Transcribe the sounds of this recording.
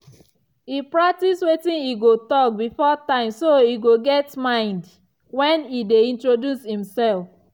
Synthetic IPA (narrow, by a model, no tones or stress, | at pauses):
ipɹak̚tiswetĩniɡotɔk̚bifɔtãɪ̃msoiɡoɡɛtmãɪ̃nd | wɛ̃nideĩntɹodjushĩmsɛlf